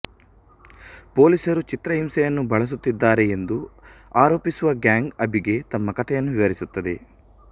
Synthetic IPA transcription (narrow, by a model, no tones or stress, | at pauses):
po̞ːlisɐɾut͡ʃit̪ɾɐɦimsɛjɐnːubʱɐɭɐs̬ut̪ːid̪ːaːɾeːnd̪uaːɾo̞ːpisuʋɐɡaːŋɡɐbiɡe̞t̪ɐmːɐkɐt̪ʰɛjɐnːuʋiʋɐɾisut̪ːɐd̪e̞̰